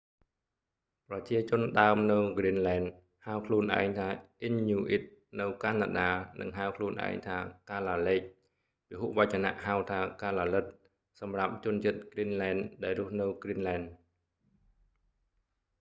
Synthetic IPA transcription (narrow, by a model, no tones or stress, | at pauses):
prɑt͡ɕiət͡ɕʊ̆ənɗaəmnɨwɡrinlaɛn | haəwkʰluənʔa̰ɛŋt̪ʰaːʔiɲːuːʔit̪̚nɨwkaːna̰ːɗaːnɨ̰ŋɦaəwkʰluənʔa̰ɛŋt̪ʰaːkaːlaːlɛːk̚ | piɦuʔʋac̚t͡ɕana̰ʔhawt̪ʰaːkaːlaːlɨt̪̚ | sɑmrap̚t͡ɕʊ̆ənt͡ɕiət̪̚ɡrinlaɛnɗaɛlrʊ̆əhnɨwɡrinlaɛn